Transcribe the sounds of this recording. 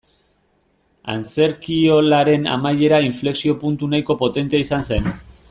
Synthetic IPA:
a̰nt͡se̞ɾkio̞laɾe̞na̰maʎe̞ɾaiɱfle̞ksio̞punt̪unajko̞po̞t̪e̞nt̪eaisanse̞n

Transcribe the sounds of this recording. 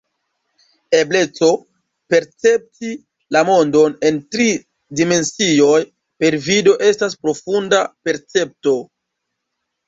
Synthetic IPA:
e̞blet͡so̞ | pe̞ɾt͡se̞p̚ti | lamo̞ndo̞ne̞ntɾi | dime̞nsio̞j | pe̞ɾvido̞ʔe̞stas̬pɾo̞fundape̞ɾt͡se̞p̚to̞

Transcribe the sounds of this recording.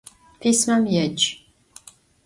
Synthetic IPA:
pʰismɐmjɛt͡ʃʼ

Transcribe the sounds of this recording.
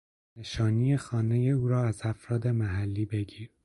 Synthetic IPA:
ne̞ʃɒːnijexɒːne̞je̞uːɾɒːæzæfɾɒːd̪e̞mæɦælːiːbe̞ɡiːɾ

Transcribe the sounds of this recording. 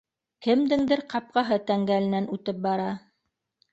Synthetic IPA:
kɘ̆md̪ɘ̆ŋd̪ɘɾqɑp̚qɑɦɤt̪æŋɡælɘ̆nænʉt̪ɘp̚bɑɾɑ

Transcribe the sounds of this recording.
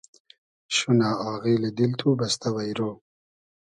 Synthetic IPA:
ɕunaːɑːɣiled̪ilt̪ʰubast̪ʰawajɾoː

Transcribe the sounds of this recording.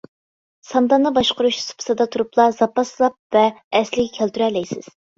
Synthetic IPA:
sɑnd̪ɑnːɨbɑʃqʊɾuʃsu̥pʰsɑd̪ɑt̪ʰuɾuplˠɑz̥ɑpːɑsɨlˠɑp̚vɛːslɪkʲɛkʲʰælt̪ʰyɾɛlɛjsɪz̥

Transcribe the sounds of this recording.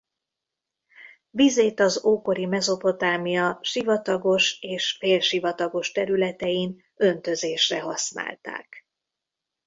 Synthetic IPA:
vizeːt̪ɒzoːko̞ɾimɛzo̞po̞t̪aːmijɒʃivɒt̪ɒɡo̞ʃeːʃfeːlʃivɒt̪ɒɡo̞ʃt̪ɛɾylɛt̪ɛjin | ø̞nt̪ø̞zeːʃrɛɦɒsna̰ːlt̪a̰ːk

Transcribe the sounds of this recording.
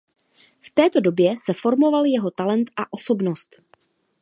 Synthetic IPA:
ft̪ɛːt̪o̞do̞bjɛsɛfo̞ɾmo̞valjɛɦo̞t̪alɛnt̪ʔaʔo̞so̞bno̞st̪

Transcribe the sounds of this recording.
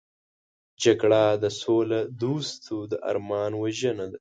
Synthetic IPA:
d͡ʒaɡɽad̪əsolad̪ust̪ʰud̪əʔa̰ɾmɑːnwaʒənad̪a

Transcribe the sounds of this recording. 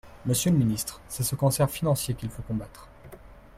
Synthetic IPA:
məsjøləminist̪χsɛsəkɑ̃sɛʁfinɑ̃sjekʲilfokɔ̃bat̪χ

